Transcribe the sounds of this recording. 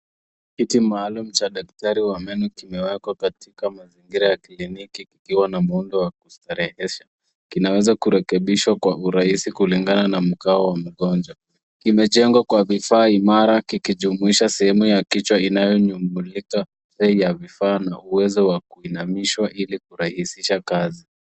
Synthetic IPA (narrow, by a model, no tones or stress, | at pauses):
kitimaːlum̩t͡ʃaɗak̚taɾiwamɛnukimɛwɛkwakatikamaziŋɡiɾajaklinikikikiwanamuundɔwakustaɾɛhɛʃa | kinawɛzakuɾɛkɛɓiʃwakwauɾaisikuliŋɡananam̩kaɔwam̩ɠɔnd͡ʒwa | kimɛʄɛŋɡwakwavifaːimaɾakikiʄumuiʃasɛhɛmujakit͡ʃwainajɔɲumbulika | zɛjavifaːna̰uwɛzɔwakuinamiʃwaʔilikuɾahisiʃakazi